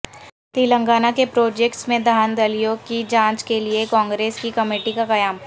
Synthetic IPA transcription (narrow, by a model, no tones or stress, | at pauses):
t̪iːlə̃ŋɡaːnakepɾoːd͡ʒeːkʈsmẽd̪ʱaːnd̪ɐlijokid͡ʒãːt͡ʃkeliekɔ̃ːŋɡɾeːskikɐmeːʈikakɐjaːm